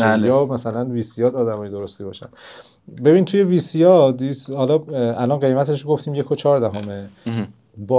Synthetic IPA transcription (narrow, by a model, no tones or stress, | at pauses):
æjɒːmæsælænviːsijɒːd̪ɒːd̪æmɒːjed̪o̞ɾost̪iːbɒ̰ʃæ̰n | be̞bint̪ʰuje̞viːsijɒd̪ishɒlɒælɒːnɢe̞jmæt̪ʰeʃ̬oɡo̞ft̪ʰiːmje̞kʰot͡ʃʰɒːɾd̪æɦɒːme | bɒ